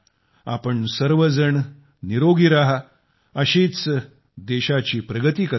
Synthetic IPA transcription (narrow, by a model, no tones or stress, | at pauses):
a̰pəɳsəɾʋəd͡zəɳ | niɾoɡiɾaɦa | əɕet͡s | d̪eɕat͡ɕiːpɾəɡət̪iːkə